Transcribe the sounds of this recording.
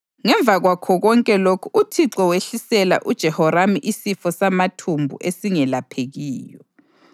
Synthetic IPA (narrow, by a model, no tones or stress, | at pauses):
ŋɛɱb̪vʱaɣwakʰɔɣɔŋkʼɛlokʰuʔutʰiǁɔweɬisɛla̰ʔud̥ʒ̥ʱɛhɔɾamiʔisifɔsamatʰumbʱṵʔesiŋɛlapʰeɣiːjɔ